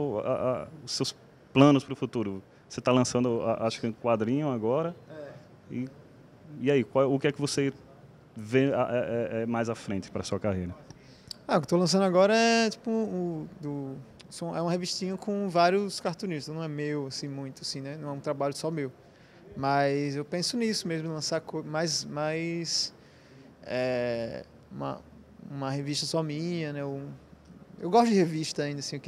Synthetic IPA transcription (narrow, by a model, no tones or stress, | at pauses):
a̰a̰ʊsews | plɐ̃nʊspɾʊfut̪uɾʊ | oset̪alɐ̃sɐ̃nd̪ʊa̰ʔaʃʊ̥kɛũkwad̪ɾĩɲʊ̃aɡɔɾɐɛ | i | iaikwawʊkɪɛkɪvose | veaʔɛɛɛmajzafɾẽnt͡ʃɪ̥pɾɐsuɐkahejɾɐ | aʊkɪ̥t̪olɐ̃sɐ̃nd̪aɡɔɾɐɛt͡ʃi̥pʊʊd̪ʊ | sõɛũmɐheviʃt̪ĩɲɐkõvaɾjʊskaɾt̪õniʃt̪ɐnɐ̃w̃ɛmewasĩmũj̃t̪ʊasĩnɛnɐ̃w̃ɛũt̪ɾabaʎʊsɔmew | mɐjzewpẽsʊnisʊmezmʊ̃lɐ̃saɾkomajzmajs | ɛ | ũmɐ̰ | ṵ̃mɐheviʃt̪ɐsɔmĩɲɐnɛo | ewɡɔʃt̪ʊd͡ʒɪheviʃt̪ɐaĩnd̪ɐsĩʊk